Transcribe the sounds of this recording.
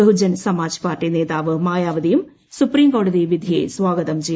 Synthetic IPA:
ɐɦud͡ʑɐnsɐmaːd͡ʑ̥paːrʈineːðaːʋɨmaːjaːʋɐd̪ijum | supɾiːmkoːɽɐðiʋid̪ʱijeːsʋaːɡɐðɐmt͡ɕej

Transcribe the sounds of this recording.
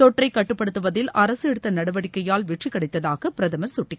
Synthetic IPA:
t̪ɔʈrɐɪkːɐʈːɯpːɐɽɯt̪ːɯʋɐðɪlɐɾɐsɛɽɯt̪ːɐnɐɽɐʋɐɽɪkːɐjaːlʋɪʈt͡ʃɪkːɐɽɐɪt̪ːɐðaːɣɐpɪɾɐðɐmɐɾsʊʈːɪkː

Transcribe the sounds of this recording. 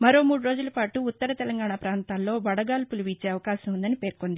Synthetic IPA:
mɐɾo̞ːmuːɽuɾo̞ːd͡ʒulɐpaːʈuːt̪ːɐɾɐt̪ɛlɐŋɡaːɳaːpɾaːnt̪aːllo̞ːʋɐɽɐɡaːlpuluʋiːt͡ʃe̞ːɐʋɐkaːʃɐmund̪ɐnipe̞ːɾkond̪i

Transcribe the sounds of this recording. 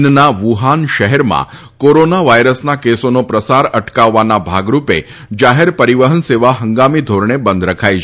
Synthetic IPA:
nnaʋuɦanʃəɦɛɾmã̰ | koɾonaʋajɾəsnakesonopɾəsaɾəʈkaʋːanabʱaɡɾupḛ | d͡ʒaɦeɾpəɾiʋəɦənseʋaɦəŋɡamid̪ʱoɾɳebənd̪ɾəkʰaj

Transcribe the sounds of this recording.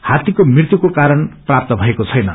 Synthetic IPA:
hat̪ikomirt̪jukokaɾʌnprap̚t̪ʌbʱʌekot͡sʰʌjnʌ

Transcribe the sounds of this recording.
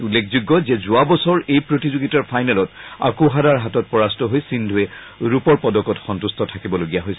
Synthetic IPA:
ulːekʰzuɡːɔzɛzʊabɔsɔɹejpɹotizuɡitaɹpʰajnalɔta̰koɦadaɹɦatɔt̚pɹɔɹastɔɦojsindʱuɛ | ɹupɔɹpɔdɔkɔtxɔntustʰɔtʰakibɔloɡijaɦojsɛ

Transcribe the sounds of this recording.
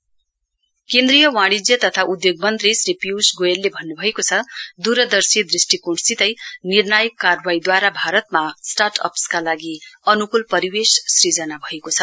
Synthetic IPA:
kend̪rijʌwãɽ̃id͡zjʌt̪ʌt̪ʰaʔud̪joɡmʌnt̪risripjuwsɡojelːebʱʌnːubʱʌekot͡sʰʌd̪uɾʌd̪ʌrsid̪risʈikoɽsit̪ʌjnirnajʌkːarwaid̪waɾabʱaɾʌt̪̚masʈarʈʰʌ̰pskalaɡiʌnukulpʌɾiwessrid͡zʌnabʱʌekot͡sʰʌ

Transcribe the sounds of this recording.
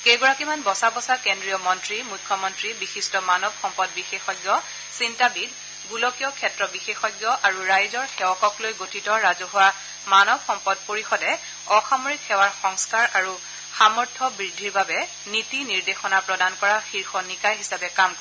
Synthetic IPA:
kejɡɔɹakimanbɔsabɔsakendɹijɔmɔntɹimujkʰːɔmɔntɹibixistɔmanɔbxɔmpɔdbixexɔjɡjɔ | sintabid | ɡulɔkijɔkʰɛtɹɔbixexɔjɡjɔʔaɹuɹajzɔɹxɛwɔkɔklojɡotʰitɔɹazɔɦʊwa | manɔbxɔmpɔdpoɹixɔdɛ | ɔxamoɹikʰːɛwaɹxɔŋskaɹaɹu | xamɔɹtʰɔbɹidʱːiɹbabɛ | nitiniɹdexɔnapɹɔdankɔɹaxiɹxɔnikajɦisapɛkamkɔ

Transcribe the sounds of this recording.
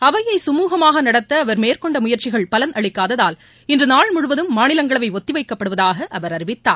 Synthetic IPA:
ɐʋɐjɐɪsʊmuːɣɐmaːɣɐnɐɽɐt̪ːɐːʋɐɾmeːɾkɔɳɖɐmʊjɐɾt͡ʃɪɣɐɭpɐlɐnɐɭɪkːaːðɐðaːl | ɪndrɯnaːɭmʊɻʊʋɐðɯmːaːnɪlɐŋɡɐɭɐʋɐɪɔt̪ːɪʋɐɪkːɐpːɐɽɯʋɐðaːɣɐʔɐʋɐɾɐɾɪʋɪt̪ːaː

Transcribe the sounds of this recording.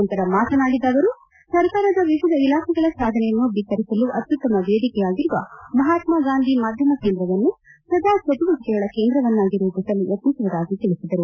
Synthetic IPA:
nt̪ɐɾɐmaːt̪ɐnaːɽid̪ːaːʋɐɾu | sɐɾkaːɾɐd̪ɐʋiʋid̪ʱɐilaːkʰɛɡɐɭɐsaːd̪ʱɐnɛjɐnːubit̪ɐɾisɐluʔɐt̪jut̪ːɐmɐʋeːd̪ikɛjaːɡiɾuʋɐmɐɦaːt̪maɡaːnd̪ʱimaːd̪ʱjɐmɐke̞ːnd̪ɾɐʋɐnːu | sɾɐd̪ʱaːt͡ʃʰɐt̪iʋɐt̪ɐkɛɡɐɭɐke̞ːnd̪ɾɐʋɐnːaːɡiɾud̪usɐluʔɐt̪nisɐʋɐd̪aːɡit̪iɭisid̪ɐɾu

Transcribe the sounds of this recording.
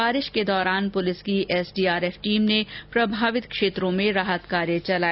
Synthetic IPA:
baːɾɪʃked̪ɔːɾaːnpʊlɪskiʔɛːsɖiːaːɾɛːfʈiːmnepɾɐbʱaːʋɪt̪kʃeːt̪ɾõmẽɾaːɦət̪kaːɾjet͡ʃɐlaː

